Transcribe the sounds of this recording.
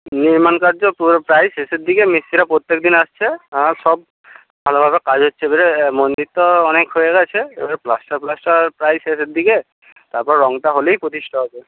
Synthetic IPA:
niɹmankaɹzɔpupɹajsesed̪ikɛmisiɾapɹot̪jekd̪inast͡ʃʰɛasɔb̚ | bʱalɔbʱabɛkazɔtːsʰɛbaɹɛmondit̪ːɔːnɛkhojɛɡat͡ʃʰɛebaɹɛplastaɹplastapɹajsesɛt̚d̪ikɛ | taɹpɔɹɹɔŋtaɦolejpɹot̪istʰɔɦasɛ

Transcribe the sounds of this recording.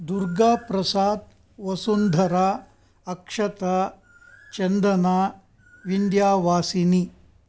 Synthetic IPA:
d̪uɾɡaːpɾɐsaːt̪̚ | ʋɐsund̪ʱɐɾaː | ɐkʂɐt̪ɐ | t͡ʃɐnd̪ɐnaː | ʋind̪jaːʋaːsini

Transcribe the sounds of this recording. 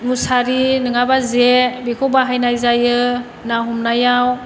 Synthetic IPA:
musaɾinɯŋabazebikʰɔbaɦajnajzajɯ | naɦumnajaw

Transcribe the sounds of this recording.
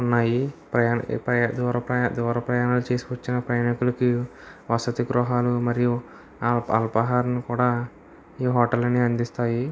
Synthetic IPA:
unːaːjipɾɐjanpɐd̪uɾɐpɾɐd̪ɔːɾɐpɾɐjaːnɐlut͡ʃe̞ːsiʋɐt͡ʃːinɐpɾɐjaːnikulɐkiʋɐsɐt̪iɡɾuɦaːlumɐɾiju | ɐ̰lpɐɦaːɾɐnikuːɽaː | iːɦɔːʈɐlɐnːiɐnd̪ist̪aːji

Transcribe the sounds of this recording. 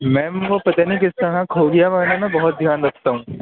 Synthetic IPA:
mɛ̃ːkopɐt̪anikɪst̪ɐɽãkʰoɡɐjaʋɐnamɛ̃bɐɦʊt̪̚d̪ʱjaːnɾɐkʰt̪aɦũː

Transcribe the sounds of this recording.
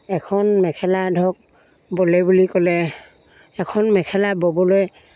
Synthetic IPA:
ɛkʰɔnmɛkʰɛladʱɔk̚ | bolɛbulikɔlɛ | ɛkʰɔnmɛkʰɛlabɔbɔloj

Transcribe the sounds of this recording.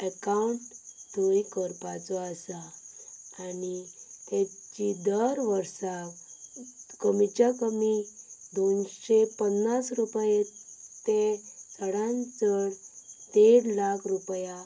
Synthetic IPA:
əkauɳʈt̪əjkəɾpat͡sɔəsa | anit̪et͡ɕid̪əɾʋəɾsaʋ | kəmit͡ɕjakəmid̪onɕepənːasɾupjet̪esəɽãnt͡səɽt̪eɽlakʰɾupja

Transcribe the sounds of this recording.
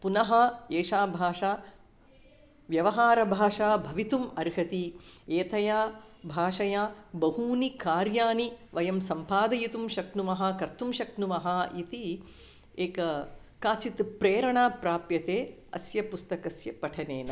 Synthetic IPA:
punɐɦɐeːʂaːbʱaːʂaː | ʋjɐʋɐɦaːɾɐbʱaːʂaːbʱɐʋit̪umɐɾɦɐt̪ieːt̪ʰɐjaːbʱaːʂɐjaːbɐɦuːnikaːɾjaːniʋɐjɐmsɐmpaːd̪ɐjit̪umʃɐknumɐɦɐkɐɾt̪umʃɐknumɐɦɐit̪i | eːkɐ | kaːt͡ʃit̪pɾeːɾɐɳaːpɾaːpjɐt̪eː | ɐ̰sjɐpust̪ɐkɐsjɐpɐʈʰɐneːnɐ

